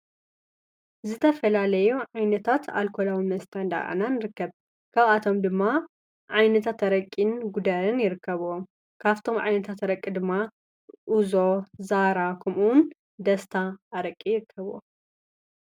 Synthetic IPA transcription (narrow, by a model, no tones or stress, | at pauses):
zɨt̪ʰɐfɐlalɐjuʕajnɐt̪ʰat̪ʰa̰lkʰolawinmɐst̪ʰand̪a̰ʔa̰nanɨɾɨkːɐβ | kʰaβat̪ʰo̞md̪ɨmːa | ʕajnɐt̪ʰat̪ɐɾɐkʼːinɡud̪ɐɾɨnjɪɾɨkːɐβuom | kʰaβt̪ʰo̞mʕa̰jnɐt̪ʰat̪ɾɐkʼːid̪ɨmːa | ʔuzozaɾakʰɐmun | d̪ɐst̪ʰaːɾɐkʼːijɪɾɨkʰːɐβo̰